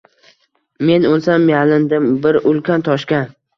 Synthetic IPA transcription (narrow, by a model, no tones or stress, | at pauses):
me̞nolˠsamjalɪnd̪ɪmbɪɾʔʊlˠkʲʰant̪ʰɒʃkʲan